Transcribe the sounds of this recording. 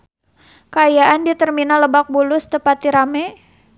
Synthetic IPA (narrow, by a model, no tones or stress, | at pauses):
kəajaʔandit̪ərminaləbak̚bulʊst̪əpat̪iɾamɛ